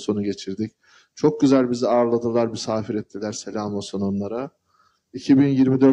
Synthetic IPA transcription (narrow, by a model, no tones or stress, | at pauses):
so̞nuɟe̞t͡ʃʰiɾd̪ic̚ | t͡ʃʰo̞k̚ɟyzælʲbiziaːɾlˠad̪ɯlˠaɾbisaːfiɾɛt̪ʰːilʲæɾse̞lʲaːmosononlˠaɾa | icʰibinjiɾmid̪ø̞ɾ